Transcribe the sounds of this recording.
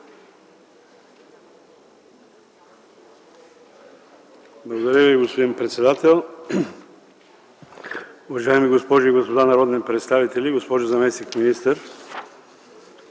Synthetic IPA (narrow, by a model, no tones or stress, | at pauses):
blˠɐɡod̪ɐɾʲjəviɡospod̪inpɾɛt̪sɛd̪at̪ɛlˠ | ʊvɐʒaɛmiɡospɔʒʊiɡospod̪anɐɾɔd̪nipɾɛt̪st̪avit̪ɛlʲiɡospɔʒʊzɐmɛsnikminist̪əɾ